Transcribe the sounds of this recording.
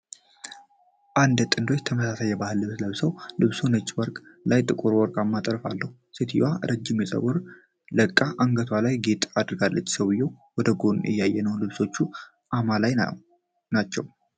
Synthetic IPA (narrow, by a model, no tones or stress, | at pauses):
ʔand̪t̪ʼɨnd̪ot͡ʃːt̪ʰəməsasajːɛbahɨlːɨβsləβsəwlɨβsunət͡ʃʼːwɔɾkʼlajt̪ʼɨkʼuɾwɔɾkʼamːat̪ʼəɾfalːəhu | sit̪ʰijwaɾəd͡ʒːɪmjɛsʼə̰wʊɾ | ləkʼːaʔaŋɡət̪ʰwalajɡe̞t̪ʼad̪ɾɡalːət͡ʃːsəwɨjːɛwwɔd̪əɡo̞njɛ̰jːajːɛnəwlɨβso̞t͡ʃːu | ʔamalaj | nat͡ʃːɛw